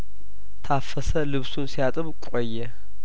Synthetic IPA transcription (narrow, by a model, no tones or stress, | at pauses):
t̪ʰafɐsɐlɨβsunsijat̪ʼɨβkʷʼɔjːɛ